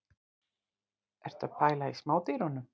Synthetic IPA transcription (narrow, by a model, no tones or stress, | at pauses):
ɛɾ̥t̪apajlajsmawt̪iɾɔnːʏ